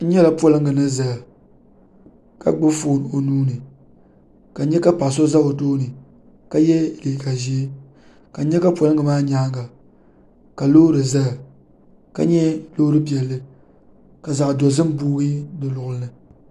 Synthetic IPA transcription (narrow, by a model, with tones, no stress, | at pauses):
n̩˦ɲɛ˦la˨pɔ˦lɨ˦ŋɡɨ˨nɨ˦za˨ | ka̰˦ɡ͡bɨ˦foː˦˨n˨o˨nuː˦nɨ˨ | ka˨˦ɲɛ˦ka˦pa˨s̬o˦za˦o˨toː˦nɨ˨ | ka˦jɛ˦˨liː˨ka˨ʒi˦e˦ | ka˨˦ɲɛ˦ka˦pɔ˨lɨ˦ŋɡɨ˨maː˦ɲaː˦ɡa˨ | ka˨loː˦ɾɨ˨za˦˨ | ka̰˦ɲɛ˦loː˦ɾɨ˦pi˨ɛ˨lːɨ˦ | ka˨za˨ʔdɔ˨zɨ˦m˦buː˦ɡi˦dɨ˨lʊ˨ʔʊ˨lɨ˦nɨ˨